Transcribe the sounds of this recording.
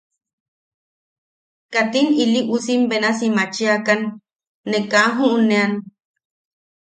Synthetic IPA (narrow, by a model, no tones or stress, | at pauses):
kat̪iniliʔusimbenasimat͡ʃiakanː | ekaɦuʔunean